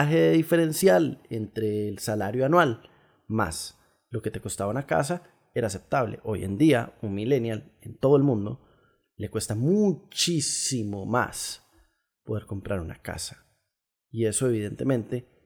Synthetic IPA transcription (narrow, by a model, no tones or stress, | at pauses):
aɦeðeðife̞ɾe̞nsjalent̪ɾe̞ːlsalaɾjoanwal | ma̰s | lo̞ke̞t̪eko̞st̪aβaunaka̰s̬a | e̞ɾaːs̬e̞p̚t̪aβle̞̰ʔo̞je̞̰nd̪ia̰unmilenjalent̪o̞ð̞oe̞lmũnd̪o̞̰ | le̞kwe̞st̪amut͡ʃisimo̞ma̰s | po̞ðe̞ɾko̞mpɾaɾuna̰ka̰sḁ | ie̞so̞e̞β̞iðe̞nt̪e̞mẽnt̪e̞